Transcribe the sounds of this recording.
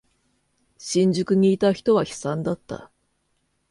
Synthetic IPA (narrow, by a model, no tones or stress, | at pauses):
ɕĩɲ̟d͡ʑɨkɯ̟ɲ̟iːt̪açi̥t̪o̞β̞açi̥sãnd̪at̪ːa̰